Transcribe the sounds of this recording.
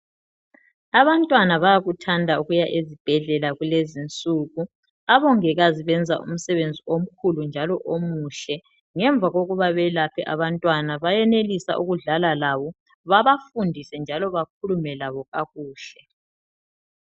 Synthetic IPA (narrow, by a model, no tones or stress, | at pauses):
aβantʼwanaβajaɣutʰandʱauɣujaʔezib̥ʱɛɮɛlaɣulezint͡sʼuɣu | aβɔŋɛɣaziβɛnd͡zʱa̰ʔṵm̩sɛβend͡zʱiom̩kʰulund͡ʒʱalɔʔomuːʃɛ | ŋɛɱb̪vʱaɣoɣuβaβɛlapʰɛʔa̰βantʼwanaβajɛnelisa̰ʔuɣuɮalalaβɔ | βaβafundʱisɛnd͡ʒʱalɔβak̚ʰulumɛlaβɔɣaɣuːʃɛ